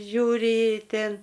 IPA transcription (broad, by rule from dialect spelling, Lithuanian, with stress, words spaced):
ˈʒʲuːrʲɪ ˈtʲeːn